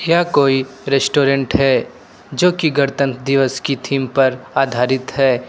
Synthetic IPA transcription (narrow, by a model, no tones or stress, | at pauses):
jakoːiɾeːsʈoːɾẽɳʈɦɛ | d͡ʒoːkiɡɐɾt̪ə̃nd̪ɪʋəskit̪ʰiːmpɐɾaːd̪ʱaːɾɪt̪ɦɛː